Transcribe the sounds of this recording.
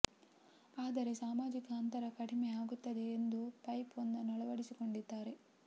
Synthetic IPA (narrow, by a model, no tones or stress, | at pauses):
aːd̪ɐɾe̞saːmaːd͡ʒikɐːnt̪ɐɾɐkɐɽimeaːɡut̪ːɐd̪e̞ːnd̪upɐjpɐnːɐnɔɭɐʋɐɽisiko̞ɳɖid̪ːaːɾe̞